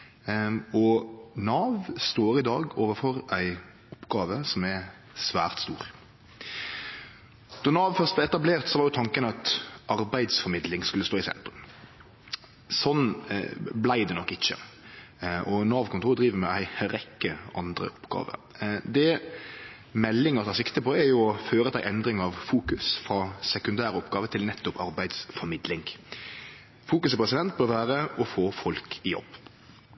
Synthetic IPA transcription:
ɔnɑːʋst̪oːɾɪd̪ɑːɡoːʋəɾfɔɾʔæɪ | ʊpːɡɑːʋəsɔmæ | sʋæːʁt̪st̪ṵːʁ | d̪̥ɔnɑːʋfœʁst̪b̪ɛɛt̪ɑbleːʁt̪sɔʋɑɾjʊt̪ʰɑŋkənəɑt̪ɑɾbæɪd̪sfɔɾmɪd̪lɪŋskʉlːəst̪oːɪsɛ̰nt̪ɾʉm | sɔn | blæɪd̪ɛnɔkːɪçːə̰ | ʔɔnɑːʋkʰʊnt̪uːd̪ʁiːʋəmɛæɪɾɛkːəɑnd̪ɾə̰ʔɔpːɡɑ̰ːʋə̰ɾ | d̪ɛ | mɛlːɪŋəʁt̪ɑsɪkt̪əpʰɔɛɾjʊɔføːɾət̪ʰæɪʔɛnd̪ɾɪŋɑʋfuːkʉsfʁɑsɛkʉnd̪æːɾəɔpɡɑːʋət̪ʰɪlnɛt̪ːʊpʰɑɾbæɪd̪sfɔɾmɪd̪lɪŋ | fuːkʉsɪpʰʁɛs̬ɪd̪ɛnt̪̚bøːɾʋæːɾəɔfoːfɔlkʰɪjɔ̰b̥ː

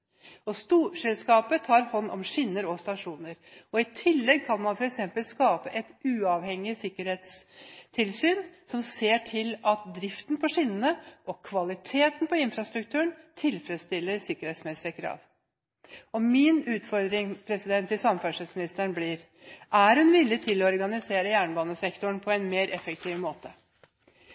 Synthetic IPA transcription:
ɔst̪uːʂɛlskɑːpət̪ʰɑːɾhɔnːʔɔ̰mʂɪnːəɾɔst̪ɑʂuːnəɾɔɪt̪ʰɪlːɛɡ̚kʰɑnmɑnfɔɾɛksɛmpəlskɑːpəʔɛt̪ʉːɑʋhɛŋɪsɪkːəɾheːt̪st̪ʰɪlsyːnsɔmseːʈʰɪlɑt̪̚d̪ɾɪft̪npʰɔʂɪnənəʔɔkʰʋɑlɪt̪ʰeːt̪n̩pʰɔɪnfɾɑst̪ɾʉk̚t̪ʰʉːəɳt̪ʰɪlfɾət̪st̪ɪlːəɾsɪkːəɾheːt̪smɛsɪəkʰɾɑ̰ːʋ | ɔmɪnʉːt̪fɔɾd̪ɾɪŋpʰɾɛsɪd̪ɛnt̪ʰːɪlsɑmːənfœʂət̪smɪnɪst̪əɳblɪːɾ | ʔæɾhʉnʋɪlːɪt̪ʰɪlːɔɔɾɡɑnɪseːɾəjæːɳbɑːnəsɛkt̪ʊɳpʰɔɛnmeːɾʔɛfək̚t̪ʰiːʋmoːt̪ə

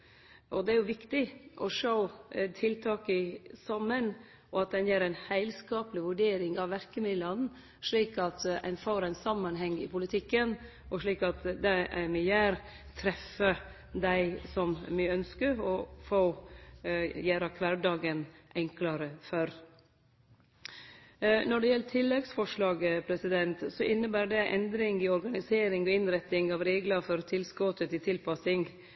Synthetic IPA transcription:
ʔɔd̪ɛæɾjʊʋɪkt̪ɪʔɔʂoʊt̪ʰɪlt̪ʰɑːkəsɑmːən | ʔɔɑt̪̚d̪ɛnjæːɾæɪnhæɪlskɑːpəlɪʋʉɖeːɾɪŋɑʋʋæɾkəmɪd̪lɑn | ʂɭiːkɑt̪ɛ̰nfoːɾæɪnsɑmːɑnɦɛŋːɪ̰pʊlɪt̪ʰɪkːən | ʔɔʂɭiːkɑt̪d̪ɛʔæmɪjæːɾ | t̪ʰɾɛfə | d̪æɪsɔmmɪœnskəɾɔfoː | jæːɾɑkʰʋæɖɑːɡənʔɛŋkləɾəfœɾ | nɔɖɛjɛlːət̪ʰɪlːɛɡsfɔʂɭɑːɡəpʰɾɛsɪd̪ɛnt̪sɔʔɪnːəbæːɖɛʔɛnd̪ɾɪŋɪɔɾɡɑnɪseːɾɪŋɔɪnɾɛt̪ːɪŋɑʋɾeːɡləɾfɔɾt̪ʰɪlskɔt̪ət̪ɪt̪ʰɪlpɑsɪŋ

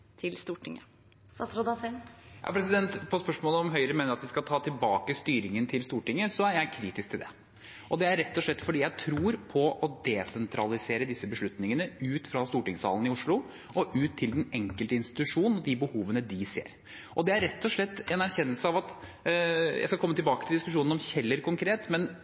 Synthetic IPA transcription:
t̪ʰɪlst̪uːʈʰɪŋːə | ɾod̪ɑɛjʔɑ̰pʰɾɛsɪd̪ɛnt̪pʰɔspœʂmoːləɔmɦœʏɾəmeːnəɾɑt̪ʋɪskɑt̪ʰɑːt̪ʰɪlbɑːkəst̪yːɾɪŋənt̪ʰɪlst̪uːʈɪŋːəsɔæɾjæɪkʰɾiːt̪ɪsk̚t̪ʰɪld̪ɛ̰ | ʔɔd̪ɛæɾːɛt̪ːɔʂɭɛt̪ːfɔɖiːjæɪt̪ʰɾuːɾpʰɔʔɔd̪ɛsɛnt̪ʰɾɑlɪseːɾəd̪ɪsːəbəʂɭʉt̪nɪŋənəʉːt̪fɾɑst̪uːʈɪŋsɑ̰ːln̩ɪʊʂɭʊ | ʔɔʔʉːt̪ʰːɪld̪ɛnɛŋkəlt̪əɪnst̪ɪ̥t̪ʉʂuːnn̩ɔd̪ɪbəhuːʋənəd̪ɪsḛːɾ | ʔɔd̪ɛæɾɛt̪ːɔʂɭɛt̪ːɛnæɾçɛnːəlsəɑʋɑt̪ | jæ̰ɪskɑkʰɔmːət̪ʰɪlbɑːkət̪ɪld̪ɪskʉʂuːnɔmçɛlːəɾkʰʊŋkʰɾeːt̪mɛn

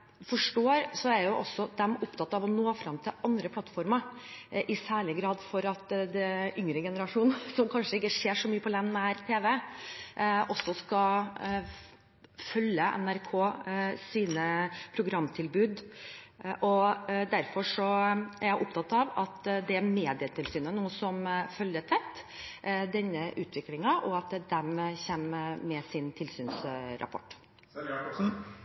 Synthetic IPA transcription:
fɔʂʈoːɾsɔæɾjʊʔɔsːɔd̪ɛmʊpt̪ʰɑt̪ːɑʋɔnoːfɾɑmt̪ʰɪlʔɑnd̪ɾəpʰlɑt̪ːfɔɾməɾʔɪsæːɭɪɡɾɑːd̪fɔɾɑt̪d̪ɛʔʏŋɾəɡɛnəɾɑʂuːnsɔmkʰɑnʂəɪkːəʂeːʂɔmyːəpʰɔlɛnːæɾt̪ʰeːʋɛ | ʔɔsːɔskɑ | fœljəʔɛ̰næɾkʰoːsiːnəpʰɾʊɡɾɑmːt̪ʰɪlbʉːd̪ | ʔɔd̪æɾfɔʂɔæɾjæɪʔʊp̚t̪ʰɑt̪ːɑʋɑt̪d̪ɛæmeːd̪ɪət̪ʰɪlsyːnənuːəsɔmfœljət̪ʰɛt̪ː | d̪ɛnːəʔʉːt̪ʰʋɪklɪŋɑʔɔɑt̪d̪ɛmçɛmːɛsɪnt̪ʰɪlsyːnsɾʔɑ̰pʰɔ̰ʈː

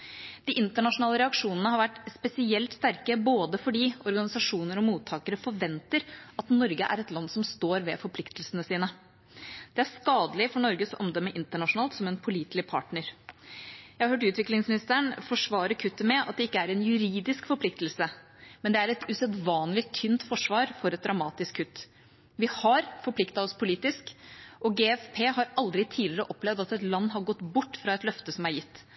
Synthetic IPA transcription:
d̪̥ɪʔɪnt̪əɳɑʂʊnɑːləɾɛɑkʂuːnənəhɑɾʋæʈːspɛsɪɛlt̪st̪æɾkəboːd̪əfɔɖiːɔɾɡɑnɪsɑʂuːnəɾɔmuːt̪ʰːɑːkəɾəfɔɾʋɛnt̪əɾɑt̪nɔɾɡə̰ʔæ̰ɾɛt̪lɑnːsɔmst̪oːɾʋɛfɔɾpʰlɪkt̪əlsənəsiːnə | d̪̥ɛæɾskɑːd̪əlɪfɔɳɔɾɡəsɔʔɔmd̪ɔmːəʔɪnt̪əɳɑʂʊnɑːlt̪sɔmɛnpʰʊliːt̪lɪpʰɑ̰ʈɳəɾ | jæɪhɑhøːʈ̬ʉːt̪ʋɪklɪŋsmɪnɪst̪əəɳfɔʂʋɑːɾəɾkʰʉt̪ːəmɛɑ̰t̪̚d̪ɛɪkːəæɾɛnjʉɾiːd̪ɪskfɔɾplɪkt̪əlsə | mɛnd̪ɛæɾɛt̪ʉsɛd̪ʋɑːnlɪt̪ʰynt̪fɔʂʋɑːɾfɔɾɛt̪̚d̪ɾɑmɑːt̪ɪskʰːʉt̪ː | ʋɪhɑɾfɔɾpʰlɪkt̪ɑɔspʰʊliːt̪ɪskʔɔɡeːɛfpʰeːɦɑɾɑld̪ɾɪt̪ʰiːlɪɾəʔɔplɛʋd̪ɑt̪ɛt̪lɑnːɦɑɾɡɔt̪ːbʊʈːfɾɑːɛt̪lœft̪əsɔmæɾjɪt̪ː

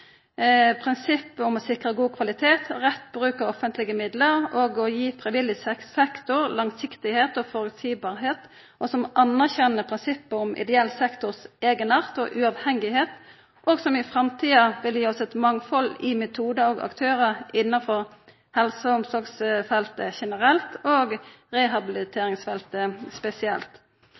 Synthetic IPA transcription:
pʰʁɪnsɪpːəʊmɔsɪkʁəɡuːkʰʋɑlɪt̪ʰeːt̪ʁɛt̪bɾʁʉːkəɾɔfənt̪lɪɡəmɪd̪ləɾoːɡɔjiːfʁɛɪʋɪlɪsɛkːɛkt̪ʊɾlɑŋsɪkt̪ɪheːt̪ɔfɔɾʉsiːbɑːʁɦeːt̪ | ʔɔsɔmʔɑnːæʁçɛnːəpʰʁɪnsɪpːəʊmʔɪ̰d̪ɛɛlːsɛkt̪ʊʁseːɡənɑʁt̪ɔ̰ʔʉɑʋhɛŋːɪheːt̪ | ʔoɡsɔmɪfʁɑmt̪ʰiːɑʋɪljiːɔsɛt̪mɑŋfɔlɪmɛt̪ʰuːd̪əoɡɑ̰kt̪ʰøːɾəɪnːɑfɔʁ | hɛlsɔʊmsɔɡsfɛlt̪əçɛnəɾɛlt̪oːɡ | ʁɛɦɑbɪlɪt̪ʰeːɾɪŋsfɛlt̪əspɛsɪɛ̰lt̪

